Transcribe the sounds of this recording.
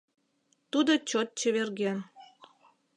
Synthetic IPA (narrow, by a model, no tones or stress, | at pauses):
t̪ud̪ot͡ɕot̪̚t͡ɕə̆βerɣen